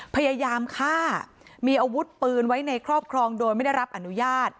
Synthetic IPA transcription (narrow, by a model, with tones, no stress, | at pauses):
pʰa˧jaː˧jaː˧mkʰaː˥˩ | miː˧ʔa˧wu˦˥t̪̚pɯː˧nwa˦˥jna˧jkʰɾɔː˥˩p̚kʰɾɔː˧ŋdoː˧jma˥˩da˥˩jɾa˦˥p̚ʔa˧˩nu˦˥jaː˥˩t̪̚